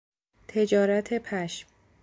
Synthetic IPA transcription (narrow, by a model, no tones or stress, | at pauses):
t̪ʰe̞d͡ʒɒːɾæt̪ʰe̞pʰæʃm